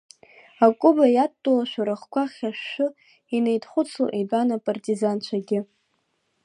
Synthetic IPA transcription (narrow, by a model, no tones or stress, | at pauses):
akʷʼʊbajattʼolaʃʷᶣaɾaχkʷʰaχʲaʃᶣːʊ | inejtʰʼχʷʊt͡sʰṵʔibʼanapʼartʼizant͡ʃʷʰaɡʲɪ